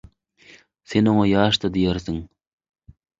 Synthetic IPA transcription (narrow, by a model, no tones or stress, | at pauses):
senoŋɑjɑːʃt̪ɑd̪ijeɾsiŋ